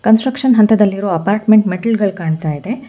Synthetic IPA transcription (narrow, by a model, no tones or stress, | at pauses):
kɐnsʈɾɐkʂɐnɦɐnt̪ɐd̪ɐlːiɾoːɐpaːɾʈmeɳʈmeʈɐlɡɐɭkaːɳt̪aːjid̪e̞